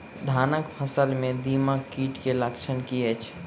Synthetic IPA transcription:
d̪ʱaːnəkpʰəsəlmẽd̪iːmakiːʈkeləkt͡ʃʰənkiet͡ʃʰ

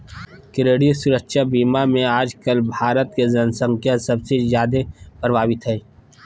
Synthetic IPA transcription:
kɪɾeːɽisʊɾəkʃabiːmamẽaːd͡ʒkəlbʱaːɾət̪kezənsə̃ŋkʰjasɐbsezjaːd̪epɾəbʱaːwɪt̪ɦɛː

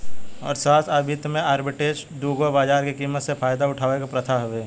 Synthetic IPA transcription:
ɔ̰ːɾsaːsaːbʱit̪mẽaːɾbɪʈeːd͡ʒd̪uːɡobaːd͡ʒaːɾkikiːmːət̪sepʰaːjd̪aʊʈʰaːʋekapɾət̪ʰaɦʊʋeː

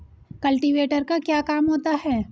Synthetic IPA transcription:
kɐlʈiʋeːʈəɾkakjaːkaːmɦoːt̪aɦɛː

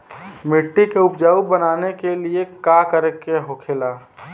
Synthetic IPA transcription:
mɪʈːikeʊpd͡ʒaːubənaːnekeliekakəɾekeɦokʰelaː

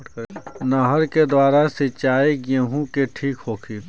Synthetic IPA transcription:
naːɦəɾked̪waːɾasɪt͡ʃaːekjeɦũkeʈʰiːkɦoːkʰiː

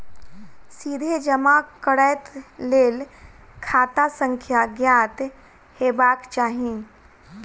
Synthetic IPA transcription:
sid̪ʱed͡ʒəmakəɽəjt̪lel | kʰat̪asə̃ŋkʰjaɡjat̪ | hebakt͡ʃaɦĩ

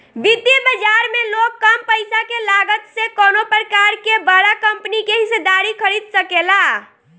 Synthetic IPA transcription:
ʋid̪jibəd͡ʒaɾmelokːəmpəjsakelaɡət̪sẽkonopɾəkaɾkebəɽakəmpnikeɦised̪aɾikʰəɾid̪səkela

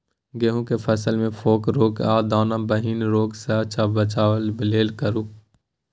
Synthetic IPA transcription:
ɡeɦũkepʰɛsəlmẽfʰoːkɾoːkaːd̪aːnãbəɦiːnɾoːksaːt͡ʃaːbət͡ʃaːʋəlbɪleːlkəɾuː

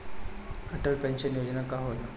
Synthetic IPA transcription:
kəʈəɭpɛnɕənjod͡znakaɦola

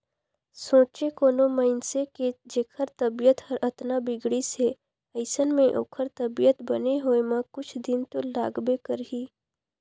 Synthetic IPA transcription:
sõːt͡ʃekoːnoməɪnseked͡ʒeːkʰəɾt̪əbijət̪həɾət̪nabɪɡɽise | əɪsənmẽʔo̰ːkʰəɾt̪əbijət̪bəneɦoːemə̃kʊt͡ʃʰd̪ɪnt̪olaːɡbekəɾɦiː

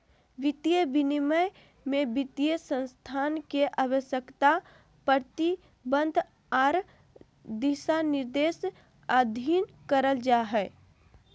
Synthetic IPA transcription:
ʋɪt̪ijəbiniməj | mẽbɪt̪ijəsə̃nst̪ʰaːnkeʔaːwəʃjəkt̪a | pəɾt̪i | bə̃nd̪ʱ | aːɾ | d̪isanɪɾd̪eːs | ad̪ʱin | kəɾəld͡ʒaɦɛ

